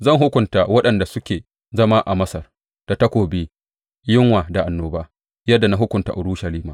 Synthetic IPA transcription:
zɐ˦˨ŋɦʊ˦kʷʊ˨ntaː˨wɐ˦ɗɐ˨nda˨sʊ˦kʲeː˨ | zɐ˦maː˦ʔa˨mɐ˦sɐ˨r | d̥a˨tɐ˦kʷoː˨biː˦ | jɪ˦ŋwaː˨da˨ʔa˨nːoː˨baː˦ | jɐ˦dːa˨na˦ɦʊ˦kʷʊ˨nta̰˨ʔʊ˨ɽu˦ʃɐ˨liː˦ma̰ː˨

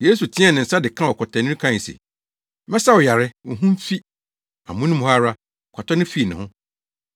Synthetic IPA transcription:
je˦s̬u˨tʰɪ̃˦ɛ˦˨nɪ̃˨n̩˨sa˦dɪ˨kʰã˦wɔ˨kʰɔ˨tʰaɛ̃˨nɪ̃˦kʰã˦˨sḛ˨˦ | mɛ̃˦sa˦wʊ˨ja˨ɾɪ˦˨ɦũ˦m̩˦fi˦ | a̰˨mʊ̃˦nɪ̃˦mũ˦ha˦ɾa˦˨ | kʷʰa˨tʰɔ˦nɪ̃˦fi˦˨nɪ̃˨hʊ̃˦

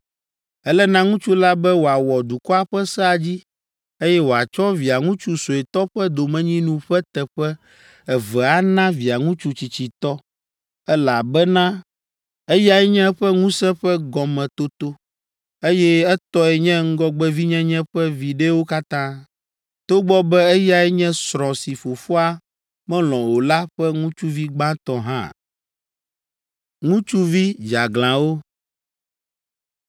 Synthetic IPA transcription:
ɛ˦lɛ˦nã˦ŋũ˦t͡ʃu˦la˦bɛ˦wo˨a˨wɔ˨d̪u˨kɔ˦a˦ɸɛ˦sɛ˦a˨d͡ʑi˦ | e˦jɛ˦wo˨a˨t͡ʃɔ˦vi˨a˨ŋũ˦t͡ʃu˦so˨ɛ˨t̪ɔ˦ɸɛ˦d̪o˨mɛ̃˨ɲĩ˦nũ˦ɸɛ˦t̪ɛ˨ɸɛ˦ | ɛ˨vɛ˨a˦nã˦vi˨a˨ŋũ˦t͡ʃu˦t͡ɕi˨t͡ɕi˨t̪ɔ˦ | ɛ˦la˨bɛ˦nã˦ | ɛ˦ja˦ɛ˦ɲɛ̃˦ɸɛ˦ŋũ˦sɛ̃˦ɸɛ˦ɡɔ˨mɛ̃˨t̪o˦t̪o˦ | e˦jɛ˦ɛ˦t̪ɔ˦ɛ˨ɲɛ̃˦ŋ̩˦ɡɔ˦ɡ͡bɛ˦vi˦ɲɛ̃˦ɲɛ̃˦ɸɛ˦vi˨ɖe˦wo˦ka˦t̪ã˦ | t̪o˦ɡ͡bɔ˦bɛ˦ɛ˦ja˦ɛ˦ɲɛ̃˦sɾɔ̃˨si˨fo˨fo˦a˦ | mɛ̃˦lɔ̃˨wo˨la˦ɸɛ˦ŋũ˦t͡ʃu˦vi˦ɡ͡bã˦t̪ɔ˦ɦã̰˦˨ | ŋũ˦t͡ʃu˦vi˦d͡ʒa˨ɡlã˨wo˦

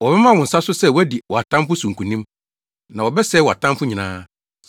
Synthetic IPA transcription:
wɔ˨bɛ˦mã˦wʊ̃˨n̩˨sa˦sʊ˦sɛ˦˨wɔ˦æ˦di˨wɔ˨a˨tʰã˦m˦fʊ˦sũ˨ŋ˨kʰũ˨nĩ˦m | nã˨wɔ˨bɛ˦sɛ˦wɔ˨a̰˨tʰã˦mfʊ̃˦ɲĩ˨nã̰ː˦

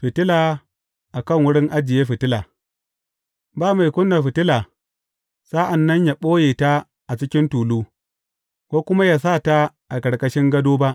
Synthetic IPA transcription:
ɸɪ˨tɪ˦laː˨ | ʔa˨kɐ˦˨ŋwʊ˦ɽɪ˦ŋʔa˦d͡ʒɪ˨jeː˦ɸɪ˨tɪ˦laː˨ | baː˦ma˨jkʷʊ˦nːa˨ɸɪ˨tɪ˦la˨ | sa˦ʔa˨nːɐ˦ɲja˨ɓoː˦jeː˨ta˦ | ʔa˨t͡ʃɪ˦kʲɪ˦ntuː˨luː˦ | kʷoː˦kʷʊ˦ma˦ja˨s̬aː˦˨ta˦ | ʔa˨kɐ˨ɽkʼɐ˦ʃɪ˦ŋɡɐ˦doː˦ba˦ʔ

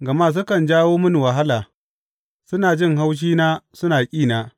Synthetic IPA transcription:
ɡɐ˨maː˦s̬ʊ˦kɐ˨nd͡ʒaː˦woː˦mʊ˦n˨wɐ˨ɦa˦laː˨ | sʊ˦naː˨d͡ʒɪ˦˨ŋɦa˦wʃ̬iː˦naː˦sʊ˦naː˨kʲʼiː˦˨naː˨

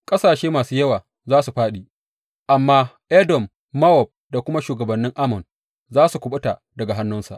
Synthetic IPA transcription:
kʼɐ˦saː˨ʃeː˦maː˨suː˦jɐ˦waː˨ | zaː˦su˨ɸaː˦ɗiː˨ | ʔa˨mːaː˦ʔɛ˦dɔ˨mː | a˦wɔ˨b̚da˨kʷʊ˦ma˦ʃuː˨ɡɐ˨bɐ˨nːɪ˦ŋʔa˦mɔ˨n | zaː˦su˨kʷʊ˨ɓʊ˦ta˨ | dɐ˨ɡa˨ɦa˦nːʊ˦nsa̰˨ʔ

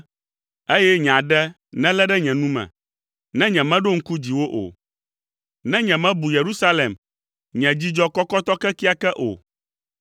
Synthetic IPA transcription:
e˦jɛ˦ɲ˨ã˨ɖɛ˦ | nɛ̃˦lɛ˦ɖɛ˦ɲɛ̃˨nũ˦mɛ̰̃˨ | nɛ̃˦ɲɛ̃˨mɛ̃˦ɖo˦ŋ̩˦ku˦d͡ʑi˨wo˦ʔo̰˨ | nɛ̃˦ɲɛ̃˨mɛ̃˦bu˨je˨ɾu˦sa˦le˨m | ɲɛ̃˨d͡ʑi˦d͡ʒɔ˦kɔ˦kɔ˦t̪ɔ˦kɛ˦ki˦a˦kɛ˦ʔo̰˨

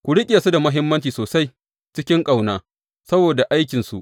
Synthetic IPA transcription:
kʷʊ˨ɽɪ˦kʲʼeː˨su˦da˨mɐ˦ɦɪ˦mːɐ˦nt͡ʃiː˨soː˨sa˦j | t͡ʃɪ˦kʲɪ˦ŋkʼa˨wnaː˦ | sɐ˦boː˨da˨ʔa˦jkʲɪ˨nsu˨ʔ

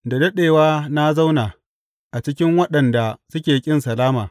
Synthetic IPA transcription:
da˨dɐ˦ɗeː˨waː˦na˦za˦wnaː˨ | ʔa˨t͡ʃɪ˦kʲɪ˦ŋwɐ˦ɗɐ˨nda˨sʊ˦kʲeː˨kʲʼɪ˦nsɐ˨laː˦maː˨

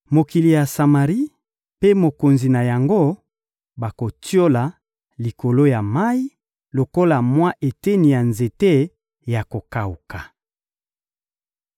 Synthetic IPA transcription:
mo˨ki˨li˨ja˨sa˨ma˨ʁi˦ | pe˦mo˨ko˨nzi˨na˨ja˨ŋɡo˦ | ba˨ko˨tʰjo˦la˨ | li˨ko˨lo˦ja˨ma˦i˦ | lo˨ko˦la˨mwa˦ʔe˨te˦ni˨ja˨nze˨te˦ | ja˨ko˨ka˨u˨ka˨

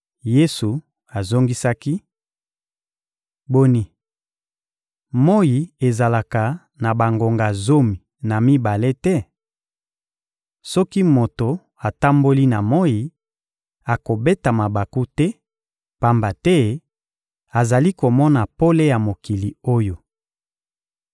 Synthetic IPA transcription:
je˦su˨ | a˨zo˦ŋɡi˦sa˦ki˦ | bo˦ni˦ | mo˦ji˨e˨za˨la˨ka˨ | na˨ba˨ŋɡo˨ŋɡa˨zo˦mi˨ | na˨mi˦ba˨le˦tɛ˦ | sɔ˦ki˦mo˨to˨ | a˨ta˦mbo˦li˦na˨mo˦ji˨ | a˨ko˨be˦ta˨ma˨ba˨ku˦tɛ˦ | pa˨mba˨tɛ˦ | a˨za˨li˦ko˨mɔ˦na˨po˦le˦ja˨mo˨ki˨li˨o˦jo˨

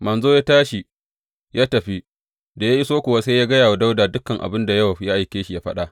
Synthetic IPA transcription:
mɐ˨nzoː˦ja˦taː˦ʃi˨ | jaː˦tɐ˨ɸi˦ | da˨ja˦ji˦soː˦kʷoː˨wa˦seː˦jaː˦ɡɐ˦jaː˨wa˦da˦wdaː˨dʊ˦kːɐ˨ŋʔa̰˨bɪ˦nda˨jɐ˦wa˨˦ja˦ʔa˨jkʲeː˦ʃi˨ja˦ɸɐ˦ɗa˦ʔ

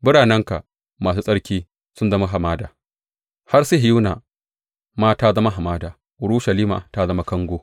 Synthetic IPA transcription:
bɪ˦ɽaː˨nɐ˦ŋka˨ | maː˨s̬uː˦sʼɐ˦ɽkʲiː˦ | sʊ˦nzɐ˦ma˦ɦa˨maː˦daː˨ | ha˦rsi˦ɦɪ˨juː˦na̰˨ | maː˦taː˦zɐ˦ma˦ɦa˨maː˦daː˨ | ʊ˨ɽu˦ʃɐ˨liː˦ma̰˨ta˦zɐ˦ma˦kɐ˦ŋɡʷoː˦

